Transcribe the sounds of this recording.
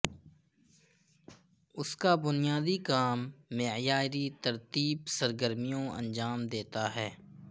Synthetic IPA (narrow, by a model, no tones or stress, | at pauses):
ʊskabʊnijaːd̪ikaːmːejaːɾit̪əɾt̪iːbsəɾɡəɾmijõɐ̰̃nd͡ʒaːmd̪eːt̪aɦɛː